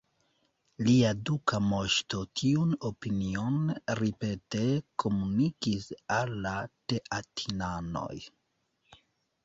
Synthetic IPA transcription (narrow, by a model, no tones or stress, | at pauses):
liadukamo̞ʃto̞tʰiuno̞pinio̞nɾipe̞te̞kʰo̞munikisalːate̞ʔatʰinano̞̰j